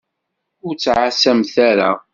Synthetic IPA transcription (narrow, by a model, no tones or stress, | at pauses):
ʊɾt͡sːʕasæmθæɾa̰